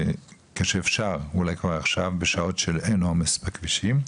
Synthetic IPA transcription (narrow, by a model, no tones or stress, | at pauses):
keʃeːfʃaʁulajkvaʁaχʃavbeʃao̞tʃelenoamespakviʃim